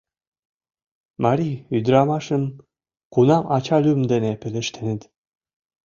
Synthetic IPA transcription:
mɑɾʲiyd̪ɾɑmɑʃəm | kunɑmʔɑt͡ɕɑlʲymd̪enepɘ̆lĕʃt̪ʰenet̪

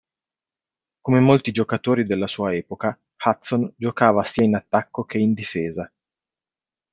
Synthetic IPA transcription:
komemolt̪id͡ʒokat̪oːɾid̪elːasuːaɛːpoka | hat̪sond͡ʒokaːvasiːainat̪ːakːok̟eind̪ifeːza

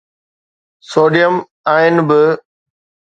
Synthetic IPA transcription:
soːɖijəm | aːɪnɪ̆bɪ

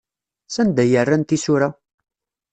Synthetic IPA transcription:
sænd̪æjərːænt̪isʊɾæ

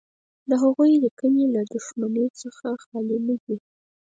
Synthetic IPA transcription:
d̪əɦaɣujlikənelad̪ʊʃmanot͡səxaxɑlinədi

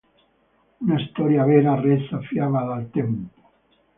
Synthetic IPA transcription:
unaest̪ɔɾjavɛːɾarɛsafjaːvaðalt̪ɛmpo̥

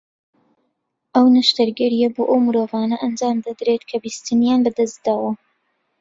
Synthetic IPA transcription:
ʔɐwnɨʃt̪ɐɾɡɐɾijɐboːʔɐwmɨɾoːvaːnɐʔɐnd͡ʒaːmd̪ɐd̪ɾet̪kʰɐbiːst̪ɨnjaːnbɐd̪ɐsd̪aːwɐ

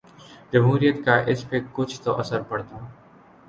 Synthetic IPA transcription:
d͡ʒəmɦuːɾijət̪kaːʔɪspekʊt͡ʃʰt̪oʔɐsəɾpəɽt̪aː

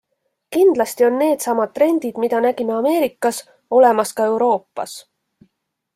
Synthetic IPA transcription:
kind̪̥lɑst̪io̞nːe̞ːd̪sɑmɑd̪̚t̪ːre̞nʲd̪̥id̪mid̪̥ɑnæɡimeɑme̞ːɾikːˑɑs | o̞le̞mɑskɑe̞wɾo̞ːpːˑɑ̰s

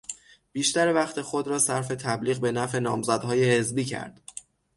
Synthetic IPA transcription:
b̥iːʃt̪æɾevæχt̪ʰe̞xod̪ɾɒːsæɾfe̞t̪ʰæbliːɣbe̞næfe̞nɒːmzæd̪hɒːje̞he̞zbiːcʰæ̰ɾd̪̥

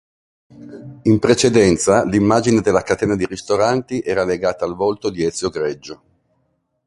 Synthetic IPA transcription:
impɾet͡ʃed̪ɛnt̪salimːaːd͡ʒined̪elːakat̪ɛːnad̪iɾist̪oɾant̪iʔɛːɾaleɡaːt̪aːlvolt̪od̪iɛt̪sjoɡɾɛd͡ʒːo

